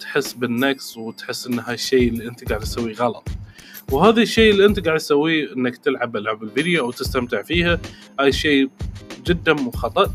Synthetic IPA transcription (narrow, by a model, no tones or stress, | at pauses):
t̪ħɪsːbɪnːakswɪt̪ħɪsːʔɪnːɦajɪʃːeːɪlːiʔɪnt̪ɡaʕd̪sawːiɣɑlɑ̰t̪ˤ | whaːðaʃːejːʔɪlːiʔɪnt̪ɡaːʕd̪sawːiʔɪnːakt̪ɪlʕabʔɪlʕabɪlvid̪jaʔwt̪ɪst̪amt̪ɪʕfiːhahaːjʃeːd͡ʒɪd̪ːamʊxɑt̪ˤɑʔ